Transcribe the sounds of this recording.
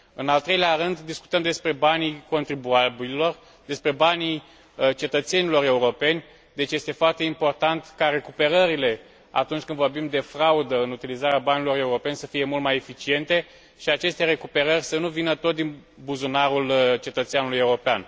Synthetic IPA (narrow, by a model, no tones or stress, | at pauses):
ɨnalt̪ɾe̞jleaɾɨnd̪ːisku̥t̪əmd̪e̞spɾe̞baniko̞nt̪ɾibuabilo̞r | d̪e̞spɾe̞bani | t͡ʃe̞t̪ət̪se̞nilo̞ɾe̞uɾo̞pe̞nʲ | d̪e̞t͡ʃʲje̞st̪e̞foart̪eimpo̞rt̪ant̪kaɾe̞kupe̞ɾəɾile̞ | a̰t̪unt͡ʃʲkɨnd̪vo̞rbimd̪e̞fɾaud̪əɨnut̪ilizaɾeabanilo̞re̞uɾo̞pe̞nʲsəfije̞mult̪maje̞fit͡ʃie̞nt̪e̞ | ʃiat͡ʃe̞st̪e̞ɾe̞kupe̞ɾərʲsənuvinət̪o̞t̪̚d̪in | buzunaɾult͡ʃe̞t̪ət̪seanuluje̞uɾo̞pean